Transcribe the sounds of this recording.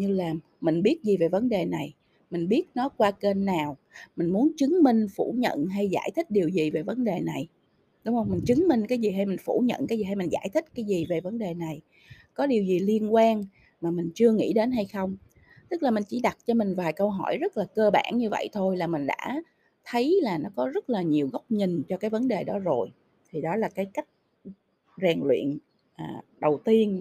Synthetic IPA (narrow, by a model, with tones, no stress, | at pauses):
ɲɨ˧laː˨˩m | mï˨˩ŋ̟ɓi˦˥ət̚zi˨˩ve˨˩və˨˦nɗe˨˩na˨˩j | mï˨˩ŋ̟ɓi˦˥ət̚nɔ˨˦kwaː˧ke˧nːaː˨˩w | mï˨˩ŋ̟mu˨˦ənt͡ɕɨ˨˦ŋmï˧ŋ̟fṵ˧˩ɲə̰˧˨nɦa˧jza̰ː˧˩jt̪ʰï˦˥ɗi˨˩əwzi˨˩ve˨˩və˨˦nɗe˨˩na˨˩j | ɗʊ˨˦wŋ͡mʔə˧wŋ͡mmï˨˩ŋ̟t͡ɕɨ˨˦ŋmï˧ŋ̟kaː˨˦jzi˨˩ɦa˧jmï˨˩ŋ̟fṵ˧˩ɲə̰˧˨nkaː˨˦jzi˨˩a˧jmï˨˩ŋ̟za̰ː˧˩jt̪ʰï˦˥k̟̚kaː˨˦jzi˨˩ve˨˩və˨˦nɗe˨˩na˨˩j | kɔ˨˦ɗi˨˩əwzi˨˩li˧ənkwaː˧n | maː˨˩mï˨˩ŋ̟t͡ɕɨ˧əŋḭ˧˥ɗe˨˦nɦa˧jxə˧wŋ͡m | t̪ɨ˦˥k̚laː˨˩mï˨˩ŋ̟t͡ɕḭ˧˩ɗa˨˩t̚t͡ɕɔ˧mï˨˩ŋ̟vaː˨˩jkə˧wɦɔ̰˧˩jzə˦˥t̚laː˨˩kəː˧ɓa̰ː˧˩nɲɨ˧və̰˧˨jt̪ʰo˧jlaː˨˩mï˨˩ŋ̟ɗa̰ː˧˥ | t̪ʰə˨˦jlaː˨˩nɔ˨˦kɔ˨˦zə˦˥t̚laː˨˩ɲi˨˩əwɣə˦˥wk͡p̚ɲï˨˩ŋ̟t͡ɕɔ˧kaː˨˦jvə˨˦nɗe˨˩ɗɔ˨˦zo˨˩j | t̪ʰi˨˩ɗɔ˨˦laː˨˩kaː˨˦jka˦˥jk̚ | zɛː˨˩ŋlwḭ˧˨ən | ʔaː˨˩ɗə˨˩wt̪i˧ən